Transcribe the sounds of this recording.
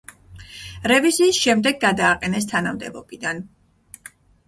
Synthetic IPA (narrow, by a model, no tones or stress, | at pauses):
ɾɛviziːsʃɛmd̪ɛɡ̚ɡad̪aːqʼɛnɛst̪ʰanamd̪ɛbɔbid̪an